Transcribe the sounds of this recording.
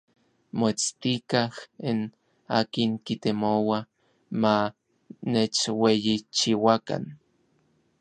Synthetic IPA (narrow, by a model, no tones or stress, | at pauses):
moet͡st̪ikahin | aːkiŋkit̪emowa | ma | net͡ʃwejit͡ʃiwaka̰n